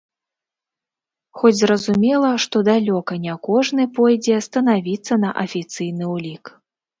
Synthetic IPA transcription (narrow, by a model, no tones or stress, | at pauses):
xɔd͡zʲzrɐzumʲɛlˠɐʂt̪ɔd̪alʲɔkɐnʲakɔʐnɨpɔjd͡zʲɛst̪ɐnavʲit̪sːɐnɐʔɐfʲit̪sɨjn̪ɨwlʲik